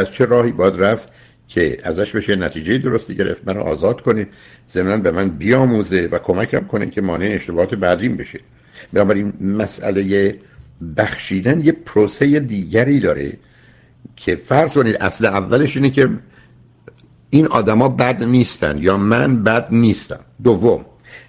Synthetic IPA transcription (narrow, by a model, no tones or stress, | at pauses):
æzt͡ʃʰe̞ɾɒːhiːbɒːjæd̪ræft̪ | cʰe̞æ̰zæʃbe̞ʃenæt̪ʰiːd͡ʒejed̪o̞ɾost̪iɟe̞ɾʔḛft̪mæno̰ʔɒ̰ːzɒːd̪̥kʰo̞nid̪ | z̥emnænbemænbijɒːmuːze̞vækʰo̞mækʰæmkʰo̞nḭkʰe̞mɒːneeːʃt̪e̞bɒːhɒːt̪ʰe̞bæd̪inbe̞ʃe | b̥enɒːbæɾinmæsʔæ̰le̞je | bæxʃiːd̪ænjepʰɾoːse̞jed̪iːɟæɾiːd̪ɒːɾe̞̰ | cʰe̞fæɾz̥ko̞niːd̪ʔæ̰sleævːæle̞ʃiːnecʰe̞ | inʔɒːd̪æmɒːbæd̪niːst̪æ̰nd̪jɒːmænbæd̪̚niːst̪æ̰md̪ovːo̞m